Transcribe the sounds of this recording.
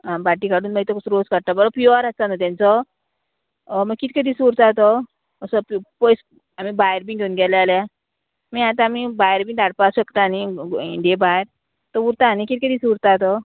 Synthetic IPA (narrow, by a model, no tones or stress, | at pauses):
abaʈikaɽuːnbait̪ɔkusuɾoskaɽt̪abɔɾɔpjuəɾat͡sanat̪jãnt͡sɔ | məɡkit̪ked̪isuɾt̪at̪ɔ | əsɔppɔjs | amibajɾbiŋɡʱeunɡɛlealja | miat̪ãːmibajɾbiŋd̪aɽpaɕəkt̪aːniiɖebajɾ | t̪əuɾt̪aːnikit̪̚kəd̪iːsuɽt̪at̪ɔ